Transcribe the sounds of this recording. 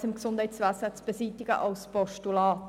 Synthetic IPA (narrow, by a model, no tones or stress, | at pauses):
sɪmɡsʊndhɛɪtsvæsət͡sb̥əziːtɪɡə̰ʔɑlspɔʃtulɑːt